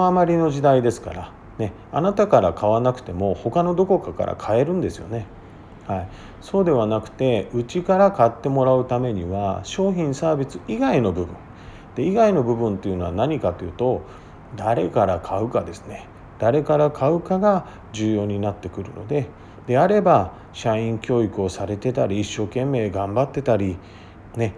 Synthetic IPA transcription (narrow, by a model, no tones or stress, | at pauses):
amaɾʲino̞ʑid̪aid̪e̞sɨ̥ka̰ɾa | ne̞ | anat̪akaɾakaβ̞anakɯ̟̥t̪e̞mo̞ho̞kano̞d̪o̞ko̞kaka̰ɾa̰kʰae̞ɾɯ̟̃nd̪e̞sɨjo̞̰ne̞ | hai | so̞ːd̪e̞β̞anakɯ̟̥t̪e̞ɯ̟t͡ɕikaɾakat̪ːe̞mo̞ɾaɯ̟t̪ame̞ɲ̟iβaɕo̞ːçĩɰ̃saːbʲit͡sɨiɡaino̞bɯ̟bɯ̟̰̃ɴ | d̪̥e̞iɡaino̞bɯ̟bɯ̟̃nt̪ːe̞iɯ̟no̞anaɲ̟ikat̪ojɯ̟t̪o̞ | d̪aɾe̞kaɾakʰaɯ̟kad̪e̞sɨ̥ne̞ | d̪̥aɾe̞kaɾakʰaɯ̟kaɡa | d͡ʑɨːjo̞ːɲ̟inat̪ːe̞kɯ̟ɾɯ̟̰no̞̰d̪e̞ | d̪e̞aɾe̞ba | ɕaĩŋkʲo̞ːikɯ̟o̞saɾe̞t̪e̞t̪aɾʲiːɕːo̞ːkẽ̞mːe̞ːɡãmbat̪ːe̞t̪aɾʲi | ne̞